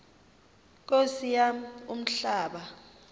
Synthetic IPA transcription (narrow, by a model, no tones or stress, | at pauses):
k̬ʼosijaum̩ɬaːɓa